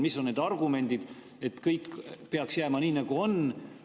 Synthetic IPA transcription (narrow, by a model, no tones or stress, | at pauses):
misːo̞nːed̪ɑrɡume̞nʲd̪̥id̪̥ | e̞t̪ːkɤjkːpe̞ɑksjæːmɑniːnɑɡ̥uo̞n